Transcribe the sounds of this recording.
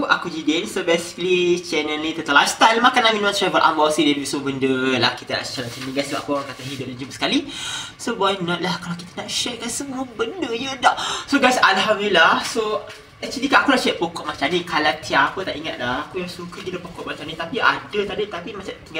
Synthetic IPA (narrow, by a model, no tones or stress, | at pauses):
ʔakud͡ʒidensobesi̥kəlit͡ʃɛnənĩt̪ət̪əlast̪almakanamĩnwãt̪ɾɛvəlʔa̰mbasidaləbisəmuəbəndəlahkit̪əa̰ʔsə̥t͡ʃaɾaŋsənĩɡajsaʔa̰kuɔɾãŋkat̪aɦidʊp̚dad͡ʒumsə̥kalisobajnɔʔ̪̚lahkalawkit̪ənaʔʃɛk̚kansəmuəbəndəɲə̃daʔsoɡajsalɦamd̪ilahso | ɛk̚t͡ʃulikaakulaht͡ʃɛʔ̚pokɔʔmat͡ʃamnĩkʰalat̪ʰiaapət̪aʔiŋat̪̚lahakujaŋsukək̪iləpokɔʔmat͡ʃamnit̪apia̰dət̪adit̪apimat͡ʃat̪iŋɡa